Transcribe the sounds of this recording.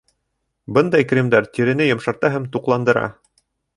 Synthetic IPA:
bɤnd̪ɑjkrʲimd̪æɾt̪iɾɘ̆nɘjɤ̆mʃɑ̆ɾt̪ɑɦæmt̪uqlˠɑnd̪ɤ̆ɾɑ̰

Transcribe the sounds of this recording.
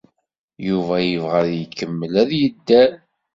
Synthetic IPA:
juvæjəvʁəðjəkːəmːəlæðjəd̪ːæ

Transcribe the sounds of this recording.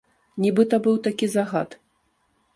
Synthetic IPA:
nʲibɨt̪ɐbɨwt̪akʲizaɣa̰t̪

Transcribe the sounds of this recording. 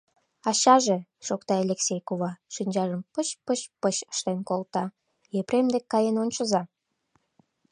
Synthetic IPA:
ɑɕɑʒeʃokt̪ɑelʲeksʲejkuβɑʃinʲd͡ʑɑʒəmpət͡ɕpəɕpəɕə̥ʃt̪enkolt̪ɑ | jepɾemd̪ekːɑjenonʲt͡ɕəzɑ

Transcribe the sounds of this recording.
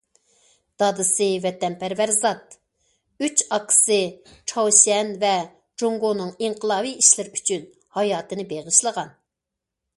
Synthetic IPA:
d̪̥ɑd̪ɨsɨvɛt̪ɛnpʰæɾvæɾzɑt̪̚ | yt͡ʃɑqʰːə̥sɨt͡ʃʰɑwsiɛnvɛ | d͡ʒoŋɡonɨŋiŋqʰəlˠɑːviiʃlɪɾyt͡ʃʰyn | hɑjɑːt̪ɨnɨbeʁəʃlˠəʁɑn

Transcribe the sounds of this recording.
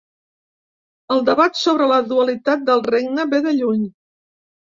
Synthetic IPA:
əlˠd̪əβat̪soβɾələðuəlit̪at̪̚d̪əlˠreɡnəβeðəʎuɲ

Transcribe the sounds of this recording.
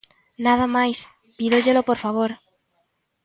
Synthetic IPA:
nað̞amajs | piðoʎelopoɾfaβ̞oɾ

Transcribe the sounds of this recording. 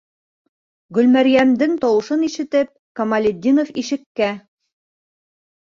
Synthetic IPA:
ɡɵ̆lmæɾjæmd̪ɘŋt̪ɒwɤ̆ʃɤniʃɘ̆t̪ɘp̚kɐmalʲed̪ʲːinofiʃɘ̆kːæ

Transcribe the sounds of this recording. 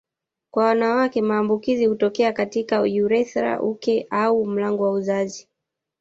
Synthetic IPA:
kwawanawakɛmaːmbukizihutɔkɛakatikaṵjuɾɛθɾa̰ʔukɛʔaum̩laŋɡɔwauzazi

